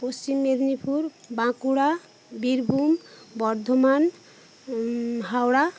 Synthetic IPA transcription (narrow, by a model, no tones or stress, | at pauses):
post͡ɕimːed̪nipʰuɾbãkuɽa | biɾbʱumbɔɾd̪ʱoman | ɦawɽa